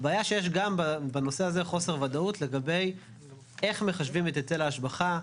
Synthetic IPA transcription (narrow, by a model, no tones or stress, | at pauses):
abaːjaʃejeʃɡambabano̞seazeχo̞se̞ʁvadautle̞ɡabe̞j | e̞χme̞χaʃvimet̪et͡selaaʃbaχa